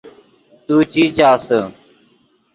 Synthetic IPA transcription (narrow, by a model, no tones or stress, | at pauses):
t̪uːt͡ʃiːt͡ʃaːsə